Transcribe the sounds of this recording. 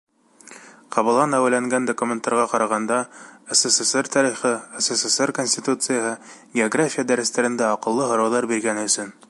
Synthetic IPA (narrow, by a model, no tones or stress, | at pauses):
qɑβɤ̆lˠʁɑnæwɘlːæŋɡænd̪okumʲent̪ːɑɾʁɑqɑɾɑʁɑnd̪ɑesesesert̪ʰɑɾiχɤeseseserkonʲsʲt̪ʲit̪ut̪sɨjaɦɤɡʲɪoɡrafʲijad̪æɾɘ̆st̪æɾɘ̆nd̪æɑqɤ̆lˠːɤɦŏɾɑwlˠɑɾbiɾɡænɵ̆sɵn